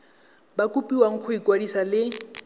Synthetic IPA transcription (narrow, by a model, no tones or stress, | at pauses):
bakʼupʼiwaŋ̩kʰʊikʼwadisalɪ